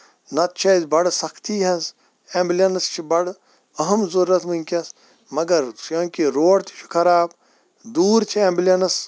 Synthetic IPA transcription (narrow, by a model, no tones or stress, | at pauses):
nɐt̪̚t͡ʃʰɐzbɐɽsɐkʰt̪iːɦɐs | ẽːmblʲɐnɐst͡ʃʰibɐɽ | ɐɦɐmzɐɾːɐt̪munʲkʲɐs | mɐɡɐɾjõːkiɾoːɽt̪ʰi̥t͡ʃʰi̥kʰɐɾaːb | d̪uːɾt͡ʃʰiemblʲɐnɐs